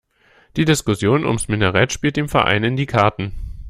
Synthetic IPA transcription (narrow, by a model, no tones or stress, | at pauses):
d̥iːdɪskʊsjoːnʔʊ̰msmɪnəʁɛtʃpiːlt̚d̥eːmfɛɐʔa̰ɪnɪndiːkʰaɐtn̩